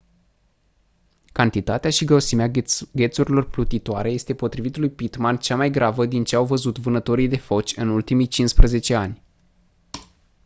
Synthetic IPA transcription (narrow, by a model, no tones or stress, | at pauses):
kant̪it̪at̪eaʃiɡɾewsimeaɡʲe̞t̪suɾilo̞rplut̪it̪oaɾe̞je̞st̪e̞po̞t̪ɾivit̪lujpit̪mant͡ʃamajɡɾavəd̪int͡ʃe̞awvəzut̪vɨnət̪o̞ɾijd̪e̞fo̞t͡ʃʲɨnult̪imijt͡ʃinspɾəze̞t͡ʃe̞anʲ